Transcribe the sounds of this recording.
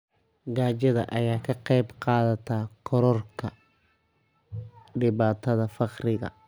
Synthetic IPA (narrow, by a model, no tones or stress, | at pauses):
ɡaːt͡ʃɐðɐ̰ʔɐjaːkʰɐqɑjbqɑːðɐt̪ʰaːkʰɔɾɔrkʰɐ | ɖɪβaːt̪ʰɐðɐfɑqrɪɣɐ̰